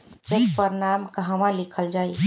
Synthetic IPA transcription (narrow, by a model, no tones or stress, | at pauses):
d͡ʒekpəɾnamkəɦəmãlikʰəld͡ʒaj